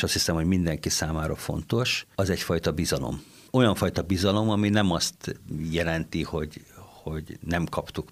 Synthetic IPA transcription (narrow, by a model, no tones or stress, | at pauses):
eʃɒst̪hisɛmho̞ɟmind̪ɛŋkisaːmaːɾɒfo̞̰nt̪o̞ʃɒzɛcfɒjt̪ɒbizɒlo̰m | o̞jɒɱfɒjt̪ɒbizɒlo̞mɒminɛmɒst̪jɛlɛnt̪iho̞ɟho̞ɟnɛmkɒpt̪uk